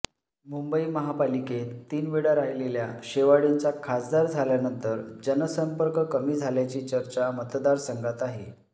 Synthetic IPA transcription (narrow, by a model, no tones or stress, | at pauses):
mumbəiːməɦapaliket̪ːiːnʋiɽaɾajleljaɕeʋaɽint͡sakʰasd̪aɾd͡zʱaljanənt̪əɾd͡ʑənəsəmpəɾkəkəmiːd͡zʱaljat͡ɕiːt͡ɕəɾt͡ɕamət̪d̪aɾsəŋɡat̪aɦḛ